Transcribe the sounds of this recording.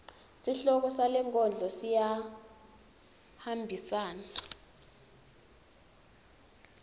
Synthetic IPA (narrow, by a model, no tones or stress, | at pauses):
siɬɔk̬ɔsalɛŋkʼɔnd͡ɮʱɔsija | hambʱisaːnaa